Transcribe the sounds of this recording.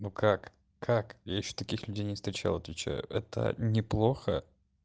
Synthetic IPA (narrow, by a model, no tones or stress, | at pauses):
nukʰak | kʰakjajɪɕːo̥t̪ɐkʲixlʲʉdʲejnʲɪst̪ɾʲɪt͡ɕa̰lˠɐt̪vʲɪt͡ɕæ̰jʊ̰ʔɛt̪ʰə̰nʲɪplˠo̞xə